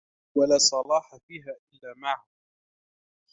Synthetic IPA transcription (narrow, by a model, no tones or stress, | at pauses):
walaːsˤɑlɑːħafiːɦaːʔɪlːaːmaʕʕa